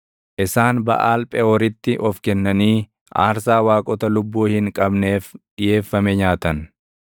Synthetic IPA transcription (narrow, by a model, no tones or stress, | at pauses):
ʔɪsaːnbɐ̰ʔaːlpʼɛɔɾɪt̪ːɪʔɔfkɛnːɐniː | ʔa̰ːɾsaːwaːkʼɔt̪ɐlʊbːuːhɪŋkʼɐbne̞ːfɗɪje̞ːfːɐmɛɲaːt̪ɐn